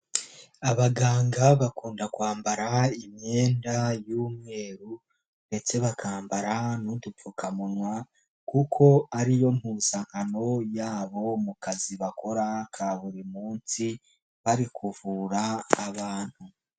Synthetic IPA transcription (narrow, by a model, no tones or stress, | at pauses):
aβaɡaːŋɡaβakuːndakwaːmbaɾaimje̞ːndajuːmŋe̞ːɾu | nde̞t͡se̞βakʰaːmbaɾanudup͡fukʰamunwa | kukʰo̞aɾijo̞mhuːzaŋano̞jaːβo̞mukaziβakʰo̞ɾakʰaβuɾimuːnsi | βaɾikʰuvuːɾaːβaːn̥hu